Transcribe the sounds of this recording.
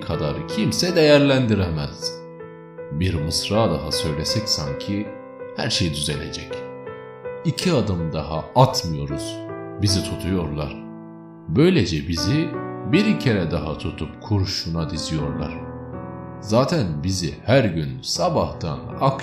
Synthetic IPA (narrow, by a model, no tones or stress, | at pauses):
kʰad̪aɾcʰimsɛd̪e̞jæɾlʲænd̪iɾɛmæz̥ | biɾmɯsɾaːd̪aɦasø̞jlʲesɛcsaɲcʰi | hæ̰ɾʃejd̪yze̞lʲḛd͡ʒɛc | icʰiad̪ɯmd̪ahaat̪ʰmɯjo̞ɾuz̥bizit̪ʰut̪ʰujo̞ɾlˠaɾ̥ | bø̞jlʲed͡ʒɛbizibiɾicʰeɾɛd̪aɦat̪ʰut̪ʰup̚kʰuɾʃunad̪izijo̞ɾlˠa̰ɾ̥ | zaːt̪ʰænbizihæɾɟynsabaht̪a̰nak